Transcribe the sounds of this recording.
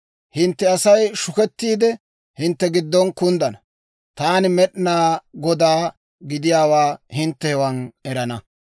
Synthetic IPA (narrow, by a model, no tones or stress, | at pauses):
hɪnt̪ːɛɐsɐjʃʊkɛt̪ːiːd̪ɛ | hɪnt̪ːɛɡɪd̪ːɔnkʊnd̪ɐnɐ | t̪aːnɪmɛɗnaːɡɔd̪aː | ɡɪd̪ɪjaːwaːhɪnt̪ːɛhɛwɐnɛɾɐnɐ